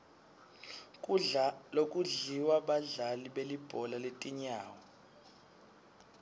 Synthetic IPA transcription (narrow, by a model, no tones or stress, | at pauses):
lokʼuɮiwaɓaɮaliɓelib̥ʱɔlaletʼiɲaːwɔ